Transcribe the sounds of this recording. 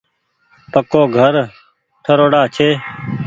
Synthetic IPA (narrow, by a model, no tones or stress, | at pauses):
pəkoːɡʱəɾ | ʈʰəɾoːɽaːt͡ʃʰeː